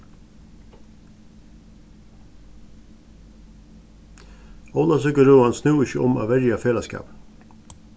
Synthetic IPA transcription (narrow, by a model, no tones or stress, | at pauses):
ɔlɑsœɡəɾuːɑnsnʉːɪçəʔʊma̰ːʋɛɾjɑfeːlɑskɑ̰ːp